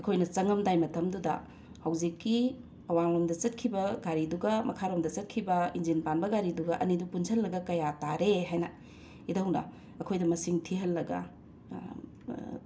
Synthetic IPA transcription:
ɐkʰojnɐt͡ʃɐŋɐmdajmɐtʰɐmdudɐ̰ | hɐwzikːi | ɐwaŋlomdɐt͡ʃɐt̚kʰibɐɡaɾiduɡɐmɐkʰaɾomdɐt͡ʃɐt̚kʰibɐind͡ʒinpanbɐɡaɾiduɡɐʔɐ̰nidupunsʰɐlːɐɡɐkɐjataɾeɦajnɐ̰ | idɐwnɐ̰ | ɐkʰojdɐmɐsiŋtʰiɦɐlːɐɡɐ̰

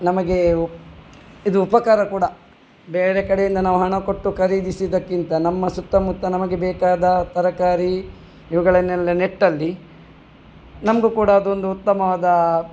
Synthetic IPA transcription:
nɐmɐɡe̞ | id̪uːpɐkaːɾɐkuːɽɐ | beːɾekɐɽejind̪ɐnaːʋuɦɐɳɐko̞ʈːukʰɐɾiːd̪isid̪ɐkːint̪ɐnɐmːɐsut̪ːɐmut̪ːɐnɐmɐɡe̞bɛːkaːd̪ɐt̪ɐɾɐkaːɾi | iʋɐɡɐɭɐnelːeneʈːɐlːi | nɐmɐɡukuːɽɐːd̪ond̪uut̪ːɐmɐʋaːd̪ɐ

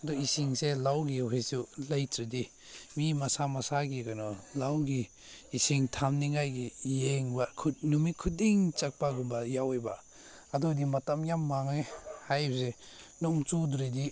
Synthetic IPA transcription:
adɔisiŋselawɡiɦejsulajtɾidi | mimasamasaɡikanɔlawɡiː | siŋtʰamniŋajɡijeŋbakʰut̚numikʰudiŋt͡ʃak̚paɡumbajawejba̰ | adɔdimɐtamjamːaŋehajbsenɔŋt͡ʃuduɾedi

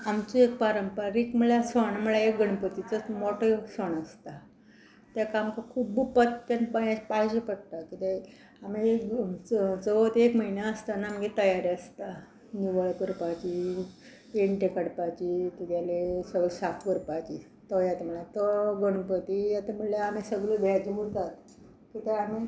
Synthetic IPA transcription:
amt͡suekpaɾəmpaɾikməɭasəɳm̤əɭaek̚ɡəɳpət̪it͡səmoʈoksəɳəst̪a | t̪jakamkəkʰuːbbupət̪tanbajãɕpaiɕipəɽt̪akit̪e | amiek | t͡səʋət̪ekməɦinjaəst̪anaamɡet̪əjaɾiəst̪a | niʋəɭkəɾpat͡ɕi | peɳʈekəɽpat͡ɕit̪ut̪jalesəɡəɭsat̪ʰkəɾpat͡ɕi | t̪ɔjat̪eməɭjat̪əɡəɳ̃pət̪ijat̪em̤əɽlaamesəɡlud̪ʱjajd͡ʑiut̪at̪ | kit̪eami

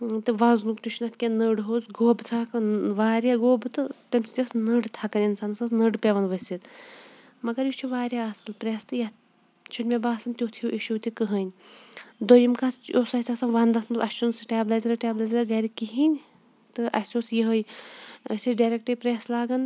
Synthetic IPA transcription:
t̪ɨʋɐznukt̪uʃʰʲunɐt̪ʰkʲenəɖɦoːzɡoːbt̪ʰɾakɐnʋaːɾʲjaːɡoːbɨt̪ɨt̪ɐmʲsʲi̥t̪ʲɐsnəɖt̪ʰɐkɐnʲinsansɐsnɨɖpʲeʋɐnʋɐsʲit̪ | mɐɡɐɾjit͡ʃʰuʋaːɾʲjaɐsɐlpɾeːst̪ɨjɐt̪ | t͡ʃʰunʲmʲebaːsɐmt̪ʲoːt̪ʰijoʔiʃuwt̪ikɨɦɐnʲ | d̪ojimkast͡ʃoːsɐsʲasɐnʋɐnd̪ɐsmɐsɐsʲt͡ʃʰunsɨʈʲaːblazɾɐʈʲeːblazɐɾɐɡɐɾikiɦinʲ | t̪ɨʔɐssʲosjiɦəjɐsʲiɖaɾʲek̚ʈɐpɾeːslaːɡɐn

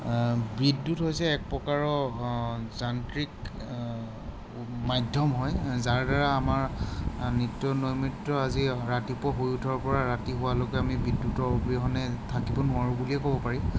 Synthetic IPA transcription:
bɹidːutɦojsɛːk̚pɔkaɹɔ | zantɹik | majdʱɔmɦɔjzaɹdaɹaːmaɹnitːɔnojmitɹɔaziɹatipɔɦojutʰɔɹpɔɹaɹatiɦʊwaloɡɛamibɹidːutɔbiɦɔnɛtʰakibɔnʊaɹubuliɛkobɔpaɹi

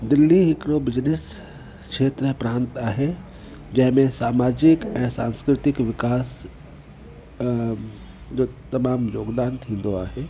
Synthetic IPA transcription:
d̪ɪlːiɦɪkɾobɪd͡ʒnes | kʃeːt̪ɾəpɾãːnt̪aːɦe | d͡ʒɐɦmẽsaːmaːd͡ʒɪkɛ̃ːsã̰ːnskɾɪt̪ɪkʋɪkaːs | d͡ʒot̪ɐmaːmjoːɡd̪aːnt̪ʰĩːnd̪oaːɦe

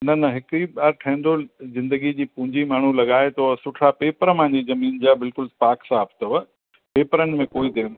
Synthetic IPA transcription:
nɐnɐɦɪkɾibaːɾʈʰɐ̃ĩnd̪ozɪ̃nd̪əɡid͡ʑiːpʊ̃ɦɪ̃ɲd͡ʑimaːɳ̤ulɐɠaːet̪osʊʈʰapeːpəɾmãːɲd͡ʑizɐmiːnd͡ʑabɪlkʊlpaːksaːpt̪ɐʋɐ | peːpəɾənɪ̆mẽkoːid̪ẽːn

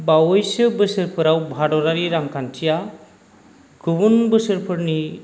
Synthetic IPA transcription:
bawojsɯbəsəɾpʰɯɾawbʱaɖɔɾaɾiɾaŋkant͡ʃʰija | kʰubunbɯsəɾpʰɯɾni

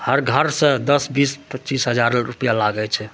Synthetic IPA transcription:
həɾɡʱəɾsə̃d̪əsbispətːt͡ʃisɦəd͡ʒaɾɾupijalaɡɛt͡ʃʰɛ

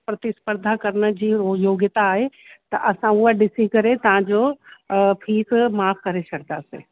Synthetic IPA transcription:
pɾɐt̪ɪspəɾd̪ʱakɐɾnəd͡ʑiːojoːɡjɪt̪aːɦet̪ɐʔɐsãʊaɖɪsikɐɾet̪ɐʋ̤ãd͡ʑoː | pʰiːsmaːfkɐɾesɐkd̪aːsḛː

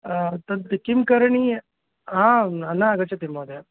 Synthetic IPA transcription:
t̪ɐnt̪ikimkɐɾɐɳi | ãːɐnːaɐɡɐt͡ʃɐt̪imoːd̪e

